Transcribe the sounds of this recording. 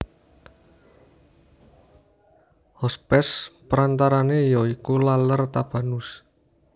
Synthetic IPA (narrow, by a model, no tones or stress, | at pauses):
hɔspɛspəɾant̪aɾanejɔikulalərt̪ab̥a̤nus